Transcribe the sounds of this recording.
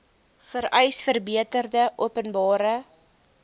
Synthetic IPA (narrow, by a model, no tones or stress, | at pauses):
fəɾɛjsfərbiətərdəʔuəpənbɑːɾə